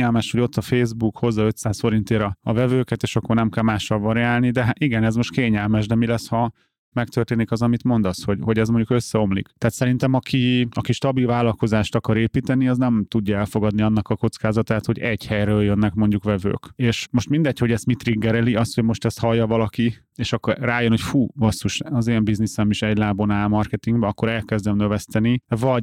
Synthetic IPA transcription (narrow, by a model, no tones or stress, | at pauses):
ɛlmɛʃhoɟo̞t̪ːɒfeːzbukho̞zːɒø̞t̪saːsfo̞ɾint̪eːɾɒɒvɛvøːkɛt̪eːʃɒkːo̞rnɛmkɛlmaːʃːɒlvɒɾiaːlnid̪ɛɦaiɡɛnɛzmo̞ʃt̪keːɲɛlmɛʃd̪ɛmilɛshɒ | mɛkt̪ørt̪eːnikɒzɒmit̪mo̞nd̪ɒshoɟɦo̞ɟɛzmoɲɟukø̞sːɛo̞mlḭkt̪ɛaːt̪sɛɾint̪ɛmɒkʰiɒkiʃt̪ɒbilvaːlɒlko̞zaːʃt̪ɒkɒɾeːpiːt̪ɛniɒznɛmt̪uɟːɒɛlfo̞ɡɒd̪niɒnːɒkɒko̞t̪skaːzɒt̪aːt̪ho̞ɟɛɟhɛjɾøːljønːɛkmo̞ɲɟukʋɛvø̰ːkeːʃmo̞ʃt̪mind̪ɛcho̞ɟɛst̪mit̪riɡːɛɾɛliɒst̪hoɟmo̞ʃt̪ɛst̪hɒjːɒvɒlɒki | eːʃɒkːraːjønho̞cfuːvɒsːuʃɒzeːmbiznisɛmiʃɛɟlaːbonaːlmɒrkɛt̪iŋɡbɛɒkːo̞ɾɛlkɛzd̪ɛmnøvɛst̪ɛnivɒɟ